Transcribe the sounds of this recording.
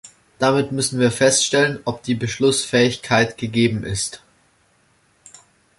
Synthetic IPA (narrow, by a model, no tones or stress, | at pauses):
d̥amɪtmʏsn̩viːɐfɛstʃtɛlənʔɔp̚d̥iːbəʃlʊsfɛːɪçkʰaɪtɡ̥əɡeːbm̩ʔɪst